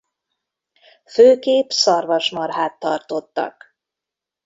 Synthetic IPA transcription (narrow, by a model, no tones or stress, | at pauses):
føːkeːpsɒrvɒʃmɒrɦaːt̪ːɒrt̪o̞t̪ːɒ̰k